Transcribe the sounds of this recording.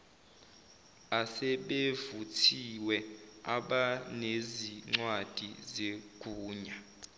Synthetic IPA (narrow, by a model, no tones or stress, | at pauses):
asɛɓevutʰiwɛaɓaneziŋ͡ǀwad̥ʱizeɡ̥ʱuːɲa